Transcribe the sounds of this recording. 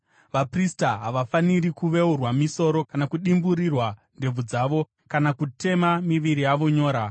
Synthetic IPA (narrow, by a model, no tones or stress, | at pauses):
ʋapristaɦaʋafaniɾikuʋe̞urwamiso̞ɾo̞kanakuɗimbuɾirwa | nde̞b͡vud͡zaːʋo̞ | kanakute̞mamiʋiɾijaʋo̞ɲo̞ːɾa